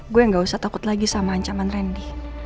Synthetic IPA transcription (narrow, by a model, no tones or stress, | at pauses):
ɡuɛŋɡausat̪akʊt̪laɡisamaɦaɲt͡ʃamanrɛndi